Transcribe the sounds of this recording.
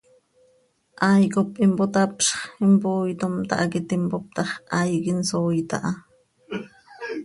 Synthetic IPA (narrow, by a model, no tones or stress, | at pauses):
ʔɑjkopʔimpot̪ɑpʃχimpoːjt̪omt̪ɑ̰ʔɑkit̪impop̚t̪ɑχʔɑjkinsoːjt̪ɑ̰ʔɑ